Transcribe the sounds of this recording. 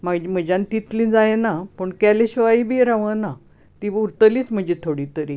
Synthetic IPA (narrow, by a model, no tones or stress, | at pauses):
maɡd͡ʑem̤əd͡ʑant̪it̪lĩːd͡zajenapəɳkaleɕʋaibiːɾaʋəna | t̪iːuɾt̪əliːt͡sm̤əɳd͡ʑet̪ʰoɽit̪əɾi